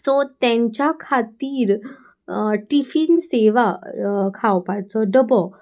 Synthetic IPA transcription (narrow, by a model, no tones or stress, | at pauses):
sɔt̪ɛ̃ɲt͡ɕjakʰat̪iːɾ | ʈifinseʋakʰawpajt͡sɔɖəbɔ